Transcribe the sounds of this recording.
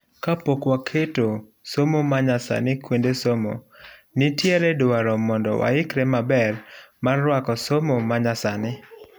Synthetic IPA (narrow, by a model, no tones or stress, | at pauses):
kapokwakʰeto | somomaɲasa̰nɪkwendesomo̰nɪtjɛɾɛdwaɾɔmɔndɔ̰wa̰ɪkɾɛmabɛrmarːwakɔsomomaɲasanɪ